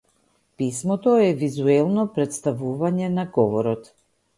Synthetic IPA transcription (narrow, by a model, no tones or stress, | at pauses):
pismɔt̪ɔɛvizuɛlˠnɔpɾɛt̪st̪avuvaɲɛnaɡɔvɔɾɔt̪